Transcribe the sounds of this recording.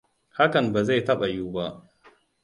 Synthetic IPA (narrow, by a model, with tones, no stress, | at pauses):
ha˦kɐ˨mba˨za˦˨jtɐ˦ɓa˨juː˦ba˦ʔ